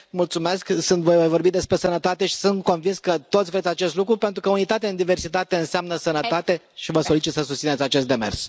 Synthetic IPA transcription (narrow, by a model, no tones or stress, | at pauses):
mult̪sume̞sksunt̪vo̞jvojvo̞rbit̪d̪espɾe̞sənət̪at̪e̞ʃi̥sunt̪ko̞nvinskət̪o̞t̪sʲvɾet̪sʲat͡ʃe̞st̪lukɾupe̞nt̪ɾukəunit̪at̪eaɨnd̪ive̞rsit̪at̪e̞ɨnseamnəsənət̪at̪e̞ | ʃivəso̞lit͡ʃit̪səsust̪sinet̪sʲat͡ʃe̞st̪d̪emers